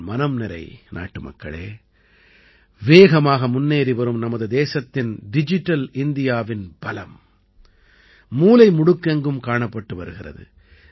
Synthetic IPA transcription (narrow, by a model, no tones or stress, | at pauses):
mɐnɐmnɪɾɐ̰ɪna̰ːʈːɯmɐ̰kːɐ̰ɭḛː | ʋeːɣɐmaːɣɐmʊnːeːɾiʋɐɾɯmnɐmɐðɯd̪eːsɐt̪ːɪnɖɪd͡ʒɪʈːɐlɪnd̪ɪjaːʋɪnb̥ɐlɐm | uːlɐɪmʊɽɯkːɐŋɡɯmkaːɳɐpːɐʈːɯʋɐɾɯɣɪrɐ̰ðɯ̰